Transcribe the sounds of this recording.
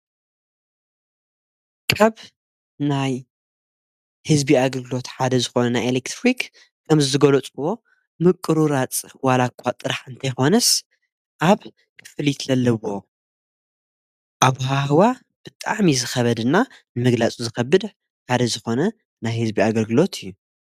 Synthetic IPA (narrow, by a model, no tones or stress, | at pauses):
kʰaβ | naj | hɨzbiaɡɐlɡɨlo̞t̪ħad̪ɐzɨxo̞nɐnajelekt̪ɾik | kʰɐmzɨzɨɡolot͡sʼuwo̞ | mɨkʼːɨɾuɾat͡sʼwalakʷʰːat̪ʼɨɾaħɨnt̪ʰɐjxo̞nɐs | ʔaβ | kʰɨ̥fɨlit̪lɐlːɐwo̞ | ʔaβhahwa | b̥ɨt̪ʼaʕmizɨxɐβɐd̪ɨnːanɨmɨɡlat͡sʼuzɨxɐbɨd̪ | ħad̪ɐzɨxo̞nɐ | najhɨzbiaɡɐlɡɨlo̞t̪ʰɨjːu